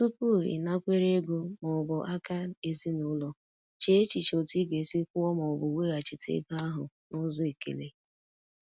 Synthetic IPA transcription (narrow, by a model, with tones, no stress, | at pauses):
tʊ˦pu˦˨ɪ̰˨na˦kʷe˦ɾe˦ɡo˦mɔ˨bɔ˨ʔa˦ka˦e˦zi˦nʊ˨˦lɔ˨ | t͡ʃe˨e˦t͡ʃi˨t͡ʃo˨ti˦ɡe˨sɪ˦kʷu˦ɔ˦mɔ˨ʊ˨bʊ˨we˦ɣa˨t͡ʃɪ˨tʰḛ˦ɡa˦ɦʊ˨ | nʊ˦zɔ˦e˨kḛ˨le˨